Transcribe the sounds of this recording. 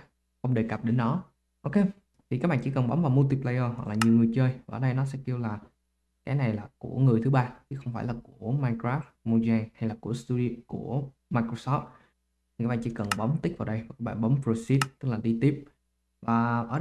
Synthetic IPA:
xə˧wŋ͡mɗe˨˩kə˨˩p̚ɗe˨˦nɗɔ˨˦ | ʔo˧wke˧ | t̪ʰi˨ka˦k̚ɓa̰ː˧˨t͡ɕi˧˥˩kə˨˩nɓa˨˦ŋ͡mvaː˨˩wmu˧lt̪i˧plaː˧jəː˧ɦwa˨˩k̚laː˨˩ɲi˨˩əwŋɨ˨˩əjt͡ɕəː˧jvaː˨˩ʔəː˨˩ɗə˧jnɔ˨˦s̬ɛ̰˧˥ki˧əwlaː˨˩ | kaː˨˦na˨˩jlaː˨˩ku˧˩əŋɨ˨˩əjt̪ʰɨ˨˦ɓaː˧t͡ɕʰi˨˦xə˧wŋ͡mfaː˧˩jlaː˨˩ku˧˩ə˩əmaː˧jkɾaː˦˥ft̪̚mo˧za˧nha˧jlaː˨˩ku˧˩əst̪u˧ɗi˧kṵ˧˩ə | maː˧jkɾo˧sɔ˦˥p̚t̚ʰ | i˨˩ka˦k̚ɓaː˧˨t͡ɕḭ˧˦kə˨˩nɓa˨˦wŋ͡mt̪ï̟˦˥vaː˨˩wɗə˧jva˨˩ka˦˥kɓa̰ː˧˨nɓɔ˨˦ŋ͡mpɾo˧si˦˥t̚t̪ɨ˦˥k̚laː˨˩ɗi˧t̪i˦˥əp̚ | vaː˨˩ʔəː˧˩

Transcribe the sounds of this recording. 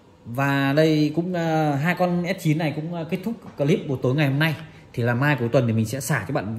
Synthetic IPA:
vaː˨˩ɗə˧jkʊ̰˧˥ŋ͡mɦaː˧jkɔ˧nʔɛ˦˥t̚t͡ɕi˨˦ə˦nːa˨˩jkʊ̰˧˥ŋ͡mkt̚t̪ʰʊ˦˥k͡p̚kəː˧˩li˦˥p̚ɓo˧˩t̪o˨˦jŋa˨˩jho˧mna˧j | t̪ʰi˨˩laː˨˩maː˧jku˨˩˦jt̪wə˨˩nt̪i˨˩mi˨˩ŋ̟sɛ̰˧˥saː˧˩t͡ɕɔ˧˩ɓa̰ː˧˨n

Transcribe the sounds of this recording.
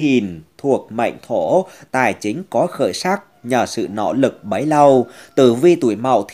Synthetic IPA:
i˨˩ənt̪ʰu˨˩ək̚ma̰˧˨jŋ̟t̪ʰo˧˩t̪a̰ː˨˩jt͡ɕï˨˦ŋ̟kɔ˨˦xə̰ː˧˩jsaː˦˥k̚ɲəː˨˩sɨ̰˧˨nɔ̰˧˥lɨ˨˩k̚ɓə˨˦jla˧wt̪ɨ̰˧˩vi˧t̪ṵ˧˩əjma̰˧˨wt̪ʰ

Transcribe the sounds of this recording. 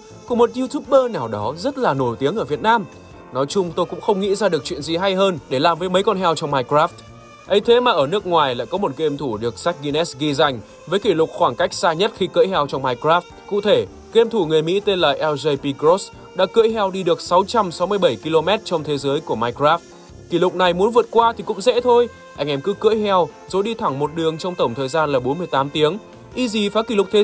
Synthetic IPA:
ku˧˨˩mo˨˩t̚zu˧t̪ʰu˦˥p̚ɓəː˧naː˨˩wɗɔ˨˦zə˦˥t̚laː˨˩no˧˩jt̪i˨˦əŋʔəː˧˩vi˨˩ət̚naː˧m | nɔ˨˦jt͡ɕʊ˧ŋ͡mt̪o˧jkʊ̰˧˥ŋ͡mxə˧wŋ͡mŋḭ˧˥zaː˧ɗɨ˨˩ək̚t͡ɕwḭ˧˨ənzi˨˩ɦa˧jɦəː˧nɗe˧˩laː˨˩mvəː˨˦jmə˨˦jkɔ˧nɦɛ˧wt͡ɕɔ˧wŋ͡mmaː˧jkɾaː˦˥ft̚ | ʔə˨˦jt̪ʰe˨˦maː˨˩ʔəː˧˩nɨ˦˥ək̚ŋwaː˨˩jla̰ː˧˨jkɔ˨˦mo˨˩t̚ke˧mt̪ʰu˧˩ɗɨ˨˩ək̚sa˦˥jk̚ɣi˧nɛ˦˥sɣi˧za˧jŋ̟ | vəː˨˦jki˧˩lʊ˨˩k͡p̚xwaː˧˩ŋka˦˥jk̚saː˧ɲə˦˥t̚xi˧kə̰ː˧˥jɦɛ˧wt͡ɕɔ˧wŋ͡mmaː˧jkɾaː˦˥ft̚kṵ˧˨t̪ʰe˧˩ | ke˧mt̪ʰu˧˩ŋɨ˨˩əjmḭ˧˥t̪e˧nla̰ː˨˩jʔɛ˧wze˧jpi˧kɾo˦˥s | ɗa̰ː˧˥kɨ̰˧˥jɦɛ˧wɗi˧ɗɨ˨˩ək̚sa˨˦wt͡ɕa˧msa˨˦wmɨ˧jɓə˧˩jki˧lo˧mɛ˦˥t̚t͡ɕɔ˧wŋ͡mt̪ʰe˨˦zəː˨˦jku˧˩əmaː˧jkraː˦˥ft̚ | ki˧˩lʊ˨˩k͡p̚na˨˩jmu˨˦ənvɨ˨˩ət̚kwaː˧t̪ʰi˨˩kʊ̰˧˥ŋ͡mzɛ̰˧˥t̪ʰo˧j | ʔa˧jŋ̟ʔɛ˧mkɨ˨˦kɨ̰˧˥jɦɛ˧w | z̥o˨˦ɗi˧t̪ʰa˧˩ŋmo˨˩t̚ɗɨ˨˩əŋt͡ɕɔ˧ŋ͡mt̪ə˧˩wŋ͡mt̪ʰəː˨˩jzaː˧nlaː˨˩ɓo˨˦nmɨ˧əjt̪aː˨˦mt̪i˨˦əŋ | ʔi˧zi˨˩faː˨˦ki˧˩lʊ˨˩k͡p̚t̪ʰe˨˦

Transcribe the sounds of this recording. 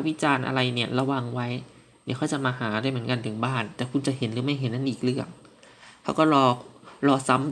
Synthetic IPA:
wi˦˥t͡ɕaː˧nʔa̰˧ɾa˧jni˧˩ɐla˧wa˧ŋwa˦˥j | ni˧˩kʰa˧˥˩wt͡ɕa˨˩ʔmaː˧ɦaː˩˦daː˥˩mɯ˩˦ə˦ŋka˧nt̪ʰɯ˨˩˦ŋbaː˥˩nt̪ɛː˨˩kʰu˧nt͡ɕa˨˩ɦe˨˦nɾɯː˩˦ma˥˩jɦe˨˦nːa˧˥˩nʔiː˨˩k̚lɯ˥˩əŋ | kʰa˦˥˩wkɔː˥˩lɔː˧lɔː˧sa˦˥m

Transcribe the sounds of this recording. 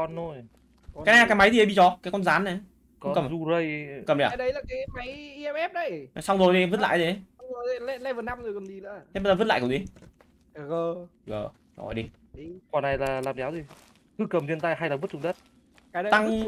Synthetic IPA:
ɔ˧nzo˧j | kaː˨˦na˨˦˧a˨kːma˨˦jzi˨ə˨˦ɓi˧˩t͡ɕɔ˨˧˦kaː˨˦jkɔ˧nzaː˨˦nːa˨˦ | kɔ˧˦˨kə˨˩m˨zu˧zə˧jkə˨˩mɗi˧˨˦ɗə˨˦jlaː˨˩kaː˨˦ma˨˦ji˧ɛ˧mɛ˦˥p̚ɗə˨˧˦jsa˧wŋ͡mzo˨˩jt̪i˨və˦˥t̚la̰ː˧˨jzi˨˦jəː˨˩˨lɛ˧˥lɛ˧˥vəː˨˩na˧˩mzo˨˩jkə˨˩nzi˨˩lɨ̰˧e˧˦ɓzəː˨və˦˥tla̰ː˧˨kə˨˩zi˨˦˨ | ɣə˧˩˧ɣə̰ː˨˧˩ | ɔ̰˨˧˩jɗi˧ | kɔ˨˩na˨˩jlaː˨˩laː˨˩mzaː˨˦wzi˨˩ | t̪ɨ˧kə˨˩mzwi˧ənt̪a˧jɦa˧jlaː˨˩vɨ˦˥t̚t͡ɕʊ˧ŋ͡mɗə˦˥t̚ | kaː˨˦˨t̪a˧ŋ

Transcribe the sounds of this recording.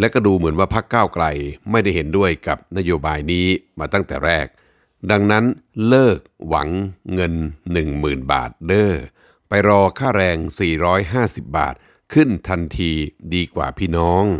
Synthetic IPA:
lɛ˦˥kɔ˥˩duː˧mɯ˩˦nwaː˥˩pʰa˦˥kːaː˥˩wkla˧jma˥˩jda˥˩jɦe˩˦ndu˥˩əjka˨˩p̚na˦˥joː˧baː˧jniː˦˥maː˧t̪a˥˩ŋt̪ɛ̰ː˨˩ɾɛː˥˩k̚ | da˧ŋna˦˥nlɤː˥˩k̚wa̰˩˦ŋːɤ˧nːɯ˨˩ŋmɯː˨˩nba̰ː˨˩t̪̚dɤː˥˩ | pa˧jɾɔː˧kʰaː˥˩ɾɛː˧ŋsiː˨˩ɾɔː˦˥jɦaː˥˩si˨˩p̚ba̰ː˨˩t̪̚ | kʰɯ˥˩nt̪ʰa˧nt̪ʰiː˧diː˧kwa̰ː˨˩pʰiː˥˩nɔː˦˥ŋ

